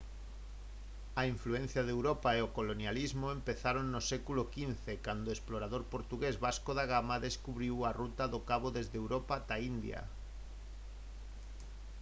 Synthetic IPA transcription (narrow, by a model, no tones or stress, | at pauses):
aiɱfluen̟θjaðewɾopaeokolonjalizmoempeθaɾonːosekulokinθekand̪oesploɾaðoɾpoɾt̪uɣezβaskoðaɣamaðeskuβɾiwarut̪aðokaβoðezðewɾopat̪aind̪ja̰